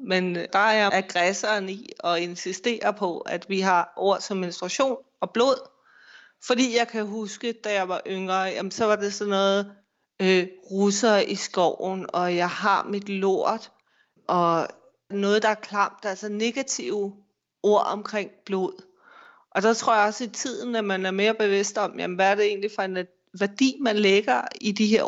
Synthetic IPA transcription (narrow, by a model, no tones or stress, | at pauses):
mend̥ɑ̈ɑjɑæɡ̥ʁɛsɐːniɒ̽e̝nsisd̥e̝̰ːɐpʰɒ̽æd̥ʋiɦɑ̈ʔo̝ɐ̰sɒ̽mːe̝nsd̥ʁɑ̈ɕo̝̰ːn | ɒ̽b̥lo̝ð̞̰ˠ | fɒ̽d̥ḭːjɑ̈ɪkʰæɦusɡ̥əd̥æjɑ̈ɪʋɑ̈ʔøŋʁɐjæmənsɒ̽ʋɑ̈d̥e̝sɒ̽nɔ̽ːð̩ˠ | øʁusɐʔisɡ̥ɒʊ̰n̩ɒ̽jɑ̈ɪɦɑ̈mid̥lo̝̰ɐ̰d̥ | ʔɒ̽ | nɔ̽ːð̞̩ˠd̥ɑ̈æɐkʰlɑ̈m̰d̥ælsɐne̝ɡ̥æt͡sʰiʊ̰ | o̝ɐ̰ɒ̽mkʰʁeŋ̰b̥lo̝ð̰ˠ | ʔɒ̽d̥ɑ̈t͡sʰʁo̝ɐ̰jɑ̈ɒ̽səit͡sʰið̞̰ˠn̩æmænæɐme̝ːɐb̥e̝ʋe̝sd̥ɒ̽mjæ̰mʋææɐɾ̥e̝e̝̰ːnlifɒ̽e̝n | ʋæɐd̥ḭːmænleɡ̥ɐidiɦeɐ̰